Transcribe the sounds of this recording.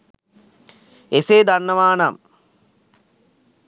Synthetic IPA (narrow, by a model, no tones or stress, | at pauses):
eseːd̪anːɐʋaːnam